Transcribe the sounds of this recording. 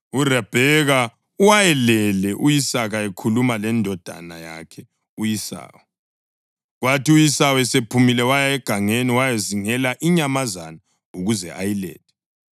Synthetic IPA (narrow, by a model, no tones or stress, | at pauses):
urɛb̥ʱɛɣa | uwajɛlɛlɛʔujisaɣaɛkʰulumalɛndʱɔd̥ʱa̰naja̰kʰɛ | ujisa̰ːwɛ | ɣwatiujisawɛsepʰumilɛwajaɛɡ̥ʱaŋeniwajɛziŋɛlaʔiɲamazana | uɣuzɛʔa̰jilɛ̰ːtɛ̥